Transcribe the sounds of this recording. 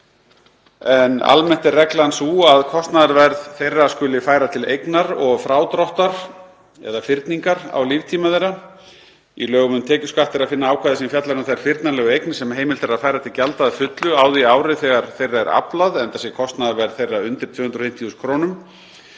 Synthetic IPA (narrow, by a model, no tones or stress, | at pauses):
ɛna̰lmɛn̥t̪ɛrrɛklansuːaðkʰɔst̪naðaɾvɛɾðθejrːaskʏlɪfaːjɾat̪ʰɪlejknaɾɔɣfɾaːwt̪ɾɔht̪aɾ̥ | ɛ̰ðafɪɾt̪niŋkaɾa̰wliːvt̪ʰiːmaðejɾa | ilœːɣʏmʏmt̪ʰɛːcʏskaht̪ɪɾaðfɪnːaaːwkʰvaðɪsimfjat̪laɾnʏmθejaɾfɪɾt̪naɾlɛːɣʏejknsɛmɦeːjmɪlt̪ʰɛɾaðfaːjɾat̪ʰɪlcalt̪aːðfʏt̪lʏaːwðiaːwɾɪθɛːɣaɾ̥θejrːaɛɾa̰plaðɛnt̪asjɛkʰɔst̪naðaɾvɛɾðθejraʏnt̪ɪɾ̥t̪v̥ʏːhʏnd̪ɾɔfɪjm̥t̪ʰiuskʰɾoːnʏm